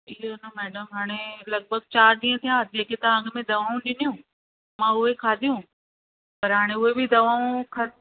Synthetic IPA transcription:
ɪɦonɐmɛːɖəmɦaːɽ̃elɐɡ̚bʱəɡ̚t͡ɕaːɾɗ̪ĩːə̃t̪ʰijãd͡ʑeːket̪ɐ̃ə̃ŋɡ̆mẽd̪ɐʋaːũɗɪnijũ | mãʊɦekʰaːd̪ʱijũ | pɐɾɦaːɽ̃eʊɦebid̪ɐʋaːũkʰɐ

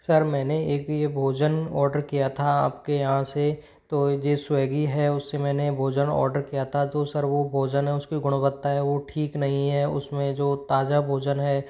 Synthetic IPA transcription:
sɐɾmɛ̃ːneeːkjebʱoːd͡ʒənɔːɾɖəɾkijat̪ʰaaːpkejɐɦãse | t̪oːd͡ʒeːswɛːɡiɦɛʊsːemɛ̃ːnebʱoːd͡ʒənɔ̰ːɾɖəɾkijat̪ʰat̪osɐɾʋobʱoːd͡ʒənɦɛʊskiɡʊɽ̃bət̪ːaɦɛʋoʈʰiːknɐɦĩɦɛʊsmẽd͡ʒoːt̪aːd͡ʒabʱoːd͡ʒənɦɛː

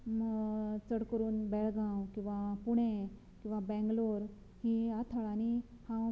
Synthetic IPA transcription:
t͡səɽkəɾuːnbɛlɡãwkĩw̃ʋapuɽẽ | kĩw̃ʋabɛ̃ŋɡloɾ | hiat̪ʰəɭanihã

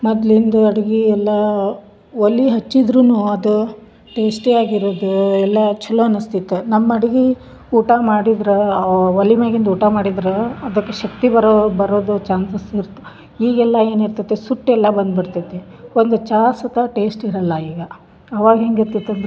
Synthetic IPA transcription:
mɐd̪lind̪uɐɽɐɡiɛlːɐ | ʋolːiɦɐt͡ʃːid̪ɾunuːɐd̪u | ʈe̞ːsʈeaːɡiɾoːd̪uɛlːɐt͡ʃɐloɐnust̪it̪ːenɐmːɐɐɽɐɡi | uːʈamaːɽid̪ɾeʋɐlimeːɡind̪uːʈamaːɽid̪ɾeɐd̪ɐkːeʃɐkt̪ibɐɾbɐɾoːd̪ut͡ʃaːnsɐsiɾt̪ːe̥ | iːɡɛlːɐe̞ːniɾt̪ɐt̪ːesuʈːɛlːɐbɐnd̪biɽt̪ɐt̪ːe | ond̪ut͡ʃaːsɐt̪ɐʈe̞ːsʈiɾɐlːɐiːɡɐː | ʋaːɡɐɦeːŋɡiɾt̪it̪ːeɐnd̪

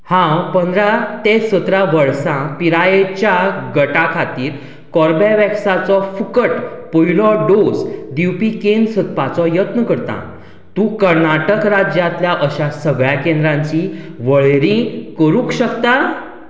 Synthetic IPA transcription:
hãpənd̪ɾat̪esət̪ɾaʋəɾsãpiɾajet͡ɕjaɡəʈakʰat̪iːɾ | kɔɾbaʋɛksat͡sɔfukəʈpəɦilɔɖosd̪iwpikensət̪̚pat͡sɔjət̪nəkəɾt̪ã̰ | t̪ũkəɾnaʈəkɾad͡ʑjat̪ljaʔəɕasəɡɭjakẽnd̪ɾãɲt͡ɕiʋəɭeɾĩkəɾũkɕəkt̪a

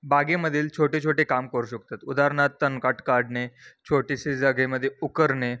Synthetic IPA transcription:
baɡeməd̪ʱiːlt͡ɕʰoʈet͡ɕʰoʈekamkəɾuɕək̚t̪at̪ud̪aɾɳat̪ːənkaʈkaɾɖnet͡ɕʰoʈisid͡zaɡeməd̪ʱːjeukəɾne

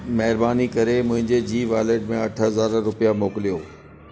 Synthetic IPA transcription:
mɐɦɪɾbaːnikɐɾemʊ̃ɦɪ̃ɲd͡ʑed͡ʑiːʋaːleɖ̚mẽɐʈʰəɦəzaːɾɾʊpijamoːkɪlijoː

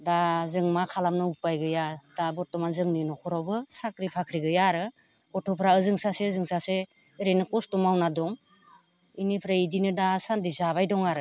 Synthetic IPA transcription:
dazɯŋmakʰalamnɯupajɡɯjad̥abɔtɔmanzɯŋninɔkʰɔɾɔwbɯsakɾipʰakʰɾiɡɯjaɾɯ | bɔtʰɔpʰɾaɯzɯŋsasezɯŋsase | ɾenɯkɔstɔmawnadɔŋ | inipʰɾaidinɯdasandizaβajdɔŋaɾɯ

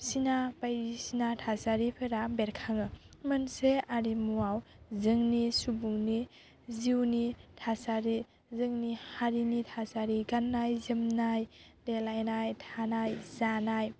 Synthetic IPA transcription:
sinapajɾisinatʰasaɾipʰeɾabeɾkʰaŋɯmɯnseaɾimuaw | zɯŋnisubuŋni | ziwnitʰasaɾi | zɯŋnihaɾinitʰasaɾiɡanːajzɯmnajdelajnajtʰanajzanaj

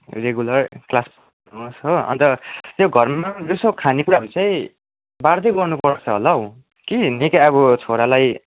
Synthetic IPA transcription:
reɡulʌrklasp | nosɦoʌ̰nt̪ʌt̪joɡʱʌrmad͡zusokʰanikuɾabit͡sʌj̃ | baɾd̪eɡʌrnupʌrt͡sʰʌɦolʌw | kinikaʌβʌt͡sʰoɾalaj

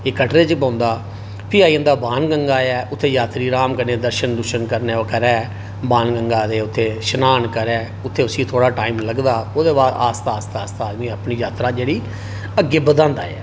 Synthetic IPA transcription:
ɪːkəʈɾeːt͡ʃpãːnd̪aː | pʰɪaːiːənd̪aːbaːnɡəŋɡaːjɛːʔʊt̪ʰːeːjaːt̪ɾiːɾaːmkəɾnẽːd̪əɾʃənd̪ʊʃənkəɾneːokəɾɛː | baːnɡəŋɡaːd̪eːʊt̪ʰːeːʃənaːnkəɾɛː | ʊt̪ʰːeːʊsĩːt̪ʰoːɽaːʈaːiːmləɡd̪aːoːd̪eːbaːd̪aːst̪aːst̪aːst̪aːd̪mĩːaːpniːjaːt̪ɾaːd͡ʒeːɽiː | əɡɪbəd̪ãːnd̪a̰ːɛ̰ː

